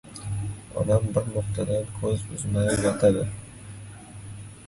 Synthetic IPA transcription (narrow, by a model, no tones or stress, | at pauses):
ɒ̰d̪ambɪɾnʊqt̪ʰad̪ankʰɵzʊznajat̪ʰad̪ɪ